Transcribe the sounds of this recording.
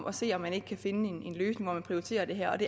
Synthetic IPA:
ʔɒ̽se̝̰ːɒ̽mːæne̝ɡ̥ə̥kʰæfe̝nəe̝ne̝nløːsne̝ŋʋɒ̰mænpʰʁiʊit͡sʰe̝̰ːɐd̥e̝ɦæɐ̰ɒ̽d̥e̝

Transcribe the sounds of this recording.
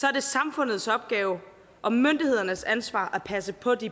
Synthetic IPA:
sɒ̽æɐd̥e̝sɑ̈mfɔ̽n̰ð̞̩ˠsɒ̽b̥ɡ̥ɛːʊ | ʔɒ̽mønd̥ihe̝ð̞̰ˠɐnəsænsʋɑ̰̈ːʔæpʰæsəpʰɒ̽d̥i

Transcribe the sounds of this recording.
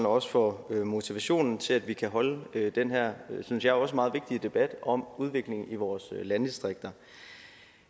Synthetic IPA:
nɒ̽sfɒømo̝t͡sʰiʋæɕo̝̰ːnn̩t͡sʰe̝læd̥ʋikʰæɦɒ̽ləød̥enɦæɐ̰synsjɑ̈ɪæɐɒ̽səmɑ̈ːð̩ˠʋe̝ɡ̥̚d̥iəd̥e̝b̥æd̥ɒ̽muð̞ˠʋe̝ɡ̥le̝ŋiʋɒːslænd̥isd̥ʁeɡ̥̚d̥ɐ

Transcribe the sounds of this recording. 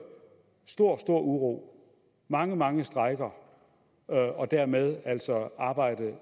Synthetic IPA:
sd̥o̝ɐ̰sd̥o̝ɐ̰uʁo̰ː | mɑ̈ŋəmɑ̈ŋəsd̥ʁɑ̈ɪɡ̥ɐ | ɒ̽d̥æɐ̰með̞ˠæl̰sɒ̽ɑ̈ːb̥ɑ̈ɪ̰d̥ð̩ˠ

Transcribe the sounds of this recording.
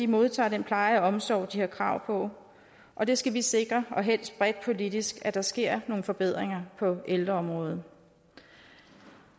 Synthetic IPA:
imo̝ð̞ˠt͡sʰɑ̰̈ːdempʰlɑ̈ɪɐæɒ̽msɒ̰ʊd̥iheɐ̰kʰʁɑ̈ʊ̰pʰɒ̽ | ʔɒ̽d̥e̝sɡ̥æʋise̝ɡ̥ʁɐɒ̽ɦel̰sd̥̚b̥ʁɛd̥̚pʰo̝lid̥isɡ̥æd̥ɑ̈sɡ̥e̝ɐ̰no̝ːn̩fɒ̽b̥e̝ð̞̰ˠʁeŋɐpʰɒ̽eld̥ʁɐɒ̽mʁɔ̽ːð̞̩ˠ

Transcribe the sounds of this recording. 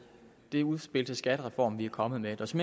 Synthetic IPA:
d̥e̝æuð̞ˠsb̥e̝ld̥əsɡ̥æd̥əʁɛfɒ̰ːmʋiæɐkʰɒ̽mð̩ˠmed̥ɒ̽sme

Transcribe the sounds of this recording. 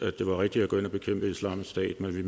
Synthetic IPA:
æd̥e̝ʋɑ̈ʁɛɡ̥̚d̥iæɡ̥ɔ̰e̝nɒb̥e̝kʰem̰b̥əislɑ̰̈ːm̩ˠsd̥ɛ̰ːd̥menʋi

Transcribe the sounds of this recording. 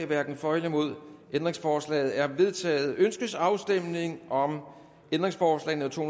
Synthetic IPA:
ʋæɐɡ̥n̩fɒ̽ɪləmo̝ð̞̰ˠʔend̥ʁeŋsfɒːslɛ̰ːð̩ˠæɐʋe̝ð̞ˠt͡sʰɛ̰ːð̞̩ˠønsɡ̥əsɑ̈ʊsd̥em̰ne̝ŋʔɒ̽m | end̥ʁeŋsfɒːslɛ̰ɪn̩ət͡sʰo̝̰ːhu

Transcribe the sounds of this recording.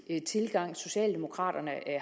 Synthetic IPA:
t͡sʰe̝lɡ̥ɑ̈ŋ̰so̝ɕɛ̰ːld̥e̝mo̝kʰʁɑ̰̈ːd̥ɐnəʔæ

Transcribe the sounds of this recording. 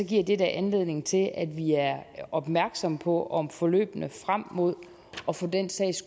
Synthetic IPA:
ɒ̽ɡ̥iɐ̰d̥e̝d̥æʔænle̝ð̞̰ˠne̝ŋt͡sʰe̝læd̥ʋiæɐɒ̽b̥mæɐɡ̥sɒ̽mpʰɒ̽ʔɒ̽mfɒ̽lø̰ːb̥ənəfʁam̰ːo̝ð̞̰ˠ | ɒ̽fɒ̽d̥en̰sɛ̰ɪ̰s

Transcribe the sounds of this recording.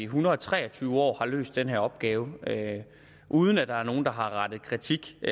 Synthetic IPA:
iɦunɐð̩ˠɒt͡sʰʁɛ̰ːɐt͡sʰyːʊɒ̰ːhɑ̈lø̰ːsd̥enheɐɒ̽b̥ɡ̥ɛːʊə | ʔuːð̞ˠn̩æd̥ɑ̈æɐno̝ːn̩d̥ɑ̈ɦɑ̈ʁɑ̈d̥ð̞̩ˠkʰʁit͡sʰiɡ̥

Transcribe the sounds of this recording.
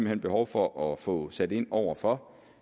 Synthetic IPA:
m̥l̩hen̰b̥e̝hɒʊfɒ̽ʔɒ̽fɔ̽sæd̥e̝n̰ɒʊ̰ɐfɒ̽

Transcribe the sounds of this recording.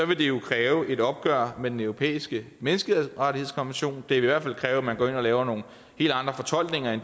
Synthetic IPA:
sɒ̽ʋe̝d̥e̝jo̝kʰʁɛːʊəʔe̝d̥ɒ̽b̥̚ɡ̥ɶɐ̰med̥enœʊʁo̝pʰḛːisɡ̥ə | menəsɡ̥əheʁɑ̈t͡sihe̝skʰɒ̽nʋenɕo̝̰ːnd̥e̝iiʋæɐfæl̰kʰʁɛːʊæmænɡ̥ɒ̰ːe̝nɒ̽lɛːʊɐno̝ːn̩ | he̝̰ːld̥ɑ̈nd̥ʁɐfɒ̽t͡sʰɒ̽l̰ɡ̥ne̝ŋɐen

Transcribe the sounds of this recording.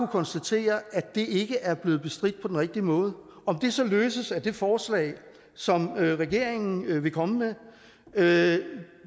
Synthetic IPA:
ukʰɒ̽nsd̥æt͡sʰe̝̰ːɐʔæ̥e̝e̝ɡ̥əʔæɐb̥le̝ːð̩ˠb̥e̝sd̥ʁid̥̚pʰɒ̽d̥enʁɛɡ̥̚d̥imɔ̽ːð̞ˠə | ɒ̽md̥e̝sɒ̽løːsəsæd̥e̝fɒːslɛ̰ːɪ | sɒ̽mʁɛɡ̥e̝ɐ̰e̝ŋn̩ʋe̝kʰɒ̽məme

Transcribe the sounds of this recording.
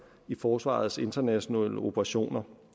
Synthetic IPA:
ifɒːsʋɑ̰̈ð̞̩ˠse̝nd̥ɐnæɕo̝nɛ̰ːləo̝pʰəʁɑ̈ɕo̝̰ːnɐ

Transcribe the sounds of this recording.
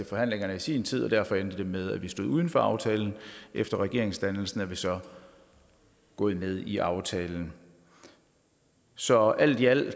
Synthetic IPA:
t͡se̝fɒ̽ɦæn̰le̝ŋɐnəisḭːnt͡sʰið̞̰ˠɒ̽d̥æɐfɒ̽end̥əd̥e̝með̞ˠæʋisd̥o̝ðˠuð̞ˠn̩fɒ̽ɑ̈ʊt͡sʰɛːln̩ʔefd̥ɐʁɛɡ̥e̝̰ɐeŋsd̥ænl̩sn̩æɐʋisɒ̽ | ɡ̥ɔ̰̽ːð̩ˠmeð̞ˠiʔɑ̈ʊt͡sʰɛːln̩ | sɒ̽æl̰d̥iæl̰

